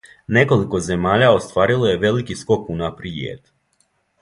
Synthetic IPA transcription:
nekolˠikozemaʎaost̪ʋaɾilˠojɛʋelikiskɔkunapɾiḛt̪

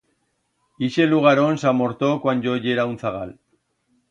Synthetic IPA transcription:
iʃeluɣaɾoensamoɾt̪okwanɟoʝeɾawnt͡saɣa̰l

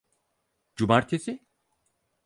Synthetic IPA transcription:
d͡ʒubaɾt̪ʰesɪ

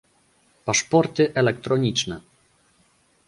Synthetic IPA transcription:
paʂpɔɾt̪ɘʔɛlɛk̚t̪ɾɔɲit͡ʂnɛ

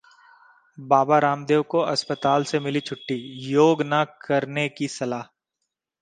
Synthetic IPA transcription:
baːbaɾaːmd̪eːwkoɐspət̪aːlsemɪlit͡ʃʰʊʈːijoːɡnakɐɾnekisɐlaːɦ

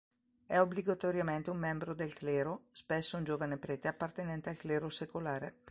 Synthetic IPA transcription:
ɛobliɡat̪oɾjament̪eummːɛmbɾod̪elklɛːɾospesːound͡ʒoːvanepɾɛːt̪eapːart̪enɛnt̪ealklɛːɾosekolaːɾe

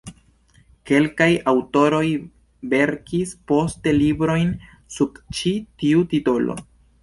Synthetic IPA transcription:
ke̞lkajawto̞ɾo̞j | ve̞ɾkispo̞ste̞libɾo̞jn | suɡt͡ʃitiutito̞lo̰

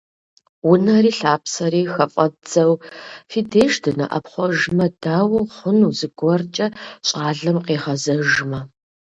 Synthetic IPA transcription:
wʊnɐriːɬaːpsɐriːxɐfʼɐd͡zɐwfidʰeːʃdʰɨnɐ̰ʔɐ̰pχʷɔʒmɐdaːwɐwχʷʊnuːzɨɡʷɔrt͡ʃʼɐɕʼaːɮɐmqeːχɐzɐʒmɐ

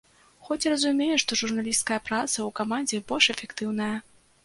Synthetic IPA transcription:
xɔt͡sʲrɐzumʲejɛʂt̪ɔʐurnalʲist̪kɐjɐpɾat̪sɐwkamanʲd͡zʲɛbɔlʲʂɛfʲɛkt̪ɨwn̪ɐjɐ

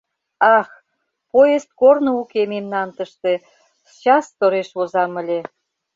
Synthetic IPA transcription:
ɑx | pojest̪̚kornoukememnɑnt̪əʃt̪e | t͡ɕɑst̪oɾeʃβozɑmə̆lʲe

